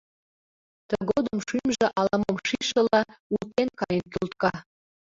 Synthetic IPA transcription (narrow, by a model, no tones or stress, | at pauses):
t̪əɡod̪əmʃymʒĕʔɑlˠɑmomʃiʃɤ̆lɑult̪ːenkɑjənkʲult̪kɑ